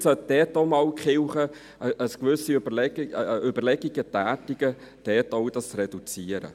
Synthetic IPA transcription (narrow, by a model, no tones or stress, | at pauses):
sœt̚d̥̪ɛːtomɑːlkχɪwχə | əskʋʏsiøb̥əlɛʏbəɾlɛɡiɡ̥ət̪æːtiɡ̥ə | d̥ɛːtowdɑsrɛd̥ut͡siːəɾə̰